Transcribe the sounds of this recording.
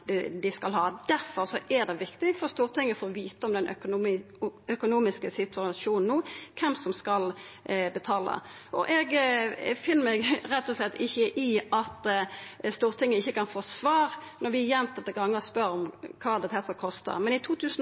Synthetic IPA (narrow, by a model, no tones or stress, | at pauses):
d̪ɛd̪ɪskɑlɦɑːd̪æɾfɔɾsɔʔæd̪ɛʋɪkt̪ɪfɔɾst̪uːʁt̪ɪŋːəfoːʁʋiːt̪əɔmd̪ɛnʔœ | œkʊnuːmɪskəsɪt̪ʰʉɑʃuːnn̩uːkʰɛmsɔmskɑlbət̪ʰɑːlə̰ | ʔɔʔɛɡfɪnːəmɛɡɾɛt̪ːɔslɛt̪ːɪçːəʔɪɑt̪ | st̪uːʁt̪ʰɪŋːəɪçːəkɑnfoːsʋɑːʁnɔɾʋɪjɛnt̪ʰɑt̪ːəɡɑŋːəʁspœɾɔmkʰɑːd̪ɛt̪ʰɛsəkʰɔst̪ə̰mɛnɪt̪ʰuːt̪ʰʉːsn̩